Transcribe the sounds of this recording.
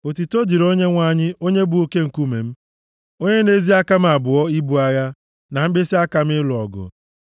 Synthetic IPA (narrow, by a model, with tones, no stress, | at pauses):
o˨ti˨to˦di˨ɾo˦ɲe˦ŋʷa˦˨ɲɪ˦o˦ɲe˦bu˨o˦ke˦ŋ̩˨ku˦mḛ˨m̩˦ | o˦ɲe˦ne˦zi˦a˦ka˦m̩˦a˨bʊ˨ɔ˦i˦bu˨a˨ja˦ | na˨m̩˦be˦si˦a˦ka˨m̩˦ɪ˦lʊ˨ɔ˨ɡʊ̰˨